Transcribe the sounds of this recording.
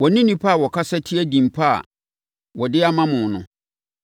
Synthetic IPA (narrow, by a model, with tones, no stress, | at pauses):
wɔ˨nĩ˦nĩ˦pʰa˦˨wɔ˨kʰa˦sɛ˦tʰi˦æ˦dĩ˨m˨pʰa˦a̰˨ | wɔ˨dɪ˦a˦mã˦mʊ̃˨nʊ̃˨